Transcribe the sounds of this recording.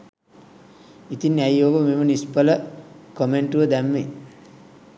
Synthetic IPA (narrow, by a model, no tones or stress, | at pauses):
it̪inːæjoːʋəmemənispələkomeɳʈuʋəd̪æmʋe